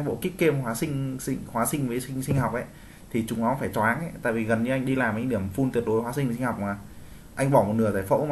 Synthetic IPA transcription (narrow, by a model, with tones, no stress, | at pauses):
ɓo̰˧˨ki˦˥k̚kːe˧m˨˩waː˨˦sï˧ŋ̟sḭ˧ŋhwaː˨˦sï˧ŋ̟vəː˨˦jsi˧ŋ̟sï˧ŋ̟hɔ˨˩k͡p̚ʔa˨˦ | t̪ʰi˨˩t͡ɕʊ˨˦ŋ͡mnɔ˨˦faː˧˩jt͡ɕɔ˨˦ʔaː˨˦nʔt̪a̰ː˧˨jvi˨˩ɣə˨˩nɲɨ˧ʔa˧jŋ̟ɗi˧laː˨˩mʔŋɗi˧˩əmfu˧nt̪wi˨˩ət̚ɗo˨˦hwaː˨˦s̬i˧˨˦si˧ŋ̟ha˨˩k͡p̚maː˨˩ | ʔa˧jŋ̟ɓɔ˧˩m˨˩t̚nɨ˧˩ət̪aː˧˨˩jfo̰˧˥˧